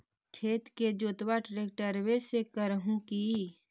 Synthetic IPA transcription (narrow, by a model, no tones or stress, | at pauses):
kʰeːt̪ked͡ʒoːt̪waʈɾeːk̚ʈəɾwesekəɾəɦũki